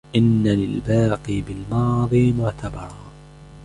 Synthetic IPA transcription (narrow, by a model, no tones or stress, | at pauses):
ʔɪnːalɪlbaːqiːbɪlmɑːðˤiːmʊʕt̪ʰabɑɾˤɑː